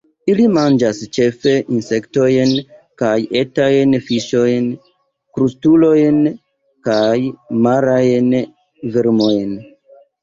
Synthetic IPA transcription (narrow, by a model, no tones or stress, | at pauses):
ilimand͡ʒast͡ʃe̞fe̞ʔinse̞kto̞jnkaje̞tajnfiʃo̞jn | kɾustulo̞jn | kajmaɾajn | veɾmo̞jn